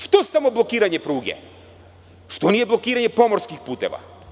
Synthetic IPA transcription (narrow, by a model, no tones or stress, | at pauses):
ʃt̪osamo̞blˠo̞kiːɾaɲe̞pɾuːɡḛ | ʃt̪o̞nije̞blˠo̞kiːɾaɲe̞po̞mo̞ɾskixpuːt̪e̞̰ʋa̰